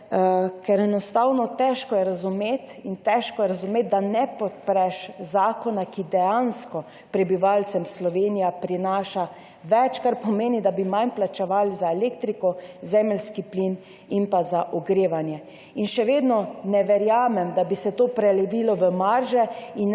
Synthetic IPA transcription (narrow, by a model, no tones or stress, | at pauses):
kɛɾɛnɔst̪aːwnɔt̪ɛʃkɔjɛɾazumeːt̪int̪ɛʃkɔjɛɾazumeːt̪̚d̪anɛpɔt̪̚pɾɛʃzaːkɔnakid̪ɛjanskɔ | pɾɛbiʋalsɛmslɔʋeːnijapɾinaːʃa | ʋɛt͡ʃkaɾpɔmeːnid̪abimajnplat͡ʃɛʋalizaelekt̪ɾikɔzɛːmɛlskiplin | inpazaʔɔɡɾeːʋanjɛ | inʃɛʋeːd̪nɔnɛʋɛɾjaːmɛmd̪abisɛt̪oːpɾɛlɛʋilɔʋəmaɾʒɛin